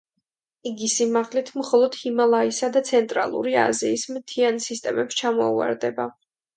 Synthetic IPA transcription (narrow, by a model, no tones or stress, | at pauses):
iɡisimaʁlit̪ʰmχɔlˠɔd̪̥himalˠaisad̪at̪sʰɛnt̪ʼɾalˠṵɾia̰ziːsmt̪ʰiansist̪ʼɛmɛpst͡ʃʰamɔua̰ɾd̪ɛba